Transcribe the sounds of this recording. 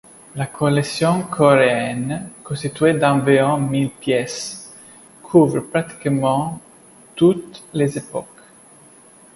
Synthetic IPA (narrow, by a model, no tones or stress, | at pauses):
lakʰolesjɔ̃kʰɔɾeɛnkɔ̃st̪it̪ɥed̪ɑ̃viʁɔ̃milpjɛs | kʰuvɾpɾat̪i̥kmɑ̃ | t̪ut̪lezepɔ̰k